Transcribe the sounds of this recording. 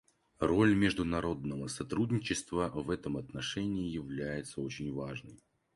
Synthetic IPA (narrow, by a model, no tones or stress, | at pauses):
ro̞lʲmʲɪʐd̪ʊnɐɾo̞d̪nəvəsɐt̪ɾudʲnʲɪt͡ɕːɪst̪vəvɛt̪əmɐt̪nɐʂɛnʲɪːɪjɪvlʲæjɪt̪səot͡ɕɪnʲvaʐnəj